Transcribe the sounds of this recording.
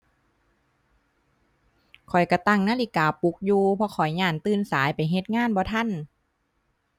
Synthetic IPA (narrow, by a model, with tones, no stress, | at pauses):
kʰɔ˨˩jka˧˩t̪a˧˩˨ŋnaː˧˥˨li˧˩kaː˨˩pu˧˦k̚juː˧pʰɔ˧kʰɔ˨˩jɲaː˧˩nt̪ɯː˧˩˨nsaː˨˦jpa˨jɦe˧t̪̚ŋaː˧˥˨nbɔː˧t̪ʰa˧˥˨n